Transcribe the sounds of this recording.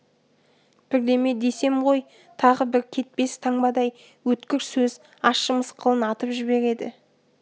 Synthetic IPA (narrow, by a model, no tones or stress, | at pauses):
b̥ɪɾd̪e̞me̞d̪e̞se̞mʁo̞j | t̪ʰɑʁəbɪɾkʲʰe̞t̪̚pe̞st̪ʰɑŋbɑd̪ɑj | wɵt̪kʲɪɾsɵz | ɑʃəməsqʰəlˠənɑt̪əpʒɪβe̞ɾe̞d̪ɪ